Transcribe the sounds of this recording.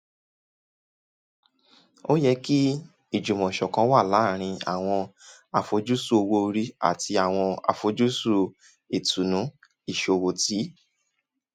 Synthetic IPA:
o˦jɛ˧ki˦ | i˦˨d͡ʒu˨mɔ̃˨ʃɔ˨kã˧˦wa˦˨la˨˦˨ɾ̃ĩ˧a̰˨w̃ɔ̃˧ | a˨fo˧d͡ʒu˦su˦o˧wo˧ɾi˦a̰˦˨ti˧a˨w̃ɔ̃˧a̰˨fo˧˦d͡ʒu˦su˦˨ | e˨tu˨nũ˨˦ | i˨ʃo˧˨˧wo˧ti˨˦

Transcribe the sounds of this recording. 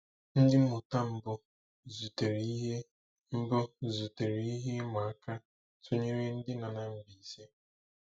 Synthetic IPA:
n̩˦dɪ˦m̩˦mʊ˨ta˦m̩˦bʊ˨ | zu˨te˨ɾi˨˦ɦe˦ | m̩˦bʊ˦zu˨te˨ɾe˨i˦ɦe˦ma˨a˦ka˦ | tʰʊ˦ɲe˦ɾe˦n̩˦dɪ˦na˨na˨m̩˦bi˨se˦

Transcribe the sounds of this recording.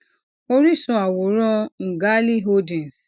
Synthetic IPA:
o˧˦ɾi˦˨sũ˧a˨wo˨˦ɾɔ̃˦ŋ̩˨ɡa˦li˦ɦo˧dɛ̃˨s

